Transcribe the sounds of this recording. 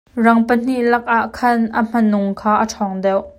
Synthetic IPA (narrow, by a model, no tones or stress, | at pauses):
rɐŋpən̥iʔlɐk̚ʔaʔkʰɐnʔɐm̥ɐnʊŋkʰaːʔɐʈ͡ʂʰɔŋdɛwʔ